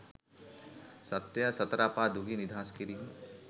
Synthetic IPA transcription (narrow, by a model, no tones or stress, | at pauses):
sɐt̪ːjasɐt̪ɾaːpaːd̪uɡinid̪ʱaːskiɾi